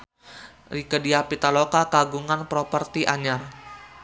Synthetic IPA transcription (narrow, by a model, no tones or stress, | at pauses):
rikədiapit̪alokakaɡuŋanpɾɔpərt̪iʔaɲar